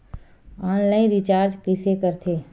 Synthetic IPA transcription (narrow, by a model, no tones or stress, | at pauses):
aːnlaːĩnɾɪt͡ʃaːɾd͡ʒkɪsekəɾt̪ʰeː